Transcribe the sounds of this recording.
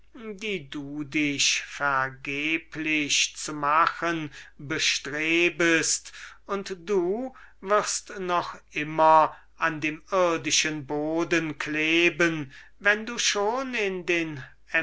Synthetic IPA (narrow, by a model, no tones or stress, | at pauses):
diːduːdɪʃfɛɐɡeːpʰlɪʃt͡sumaxənbəʃtʁeːbəstʊntd̥uː | vɪʁstnɔχʔɪmɐ | ʔandeːmɪɐdɪʃənboːdənkʰleːbənvɛnduːʃoːnɪndeːn | ɛ